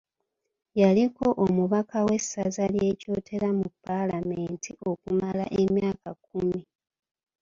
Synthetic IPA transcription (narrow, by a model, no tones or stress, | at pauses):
jaliko̞ʔomuβakʰawe̞sːazalje̞co̞ːtʰe̞ɾamupːalameːntʰiʔo̞kumala̰ʔe̞mjaːkakumi